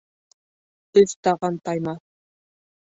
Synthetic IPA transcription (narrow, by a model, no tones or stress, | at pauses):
t̪ɵzt̪ɑʁɑnt̪ɑjmɑ